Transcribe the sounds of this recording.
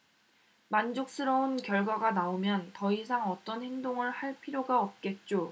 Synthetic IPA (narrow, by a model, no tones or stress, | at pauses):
mand͡ʑok̚s͈ɯɾʌunkjʌɭɡwaɡanaomjʌntʌisʰaŋʌt͈ʌnhe̞ŋdoŋɯɭhaɭpʰiɾjoɡaʌp̚k͈e̞t̚t͡ɕ͈o